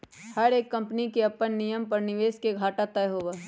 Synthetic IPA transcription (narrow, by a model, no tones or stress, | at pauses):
hɐɾeːkːɐ̃mpnikeɐpːənːijəmpɐɾnɪʋeːskeɡʱaːʈat̪ɐjɦoːʋaː